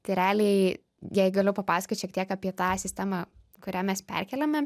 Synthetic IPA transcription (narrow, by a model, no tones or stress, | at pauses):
t̪ʲɪɾʲæːlʲeɪ | jɛɡɐlʲʊpɐpɑːsɐ̥kʲot̪ʲʃʲiɛk̚t̪iɛkɑpʲiɛt̪ɑːsʲɪsʲt̪ʲæːmɑ | kʊɾʲæːmʲɛspʲɛ̰rʲkʲɛlʲɛmʲɛ